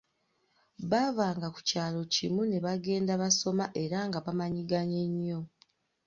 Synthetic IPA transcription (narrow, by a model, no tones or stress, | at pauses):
βavaːŋɡaku̥caːlo̞cḭmune̞βaɡe̞ːndaβaso̞maʔe̞ɾaŋɡaβamaɲiɡaɲe̞ɲːo̞